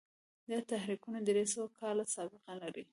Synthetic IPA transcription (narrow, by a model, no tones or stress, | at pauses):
d̪at̪ahɾikunad̪əɾesawakʰɑlasɑbɪqalaɾi